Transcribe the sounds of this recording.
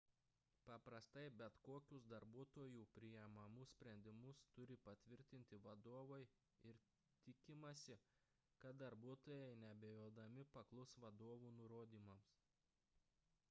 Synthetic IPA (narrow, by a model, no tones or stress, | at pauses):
pɐpɾɐst̪ɐɪbʲɛt̪koːkʲʊsd̪ɐɾbuɔt̪oːjuːpʲɾʲɪjɛmɐmʊsʲsʲpʲɾʲɛnʲd̪ʲɪmʊst̪ʊɾʲɪpɐt̪ʲʋʲɪɾʲt̪ʲɪnʲt̪ʲɪʋɐd̪oːʋɐɪ | ɪɾ | t̪ʲɪkʲɪmɐsʲɪ | kɐt̪̚d̪ɐɾbuɔt̪oːjɛɪnʲɛbʲejoːd̪ɐmʲɪpɐklˠʊsʋɐd̪oːʋuːnʊɾoːd̪ʲiːmɐms